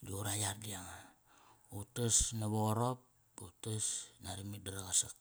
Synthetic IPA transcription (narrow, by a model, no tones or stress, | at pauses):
d͡ʒuɾajardiaŋa | utasnaβoɾop̚ | utasnaɾimidaɾaɣasak̚